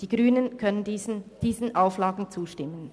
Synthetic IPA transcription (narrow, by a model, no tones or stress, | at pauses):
d̥iːɡ̥ʁyːnənkʰœnəndind̥iːzn̩ʔaʊflaːɡŋ̩t͡suːʃtɪmən